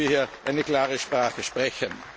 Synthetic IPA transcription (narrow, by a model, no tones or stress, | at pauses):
iːɐhiːɐʔaɪnəklaːʁəʃpʁ̥aːχəʃpʁ̥ɛçən